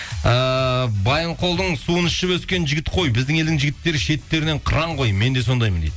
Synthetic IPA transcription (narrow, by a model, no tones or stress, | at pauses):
əbɑjəɴqʰo̞lˠd̪əɴsuənɪʃʃɪbwɵskʲe̞nʒɪɡʲɪt̪qʰo̞jbɪzd̪ɪŋe̞ld̪ɪŋʒɪɡʲɪt̪ːe̞ɾɪʃe̞t̪ːe̞ɾɪne̞ɴqʰəɾɑɴqʰo̞jme̞nd̪e̞so̞nd̪ɑjmənd̪ed̪